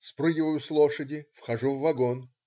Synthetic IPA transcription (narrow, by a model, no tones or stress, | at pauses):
spɾɨɡʲɪvəjʊslˠoʂədʲɪfxɐʐuvːɐɡon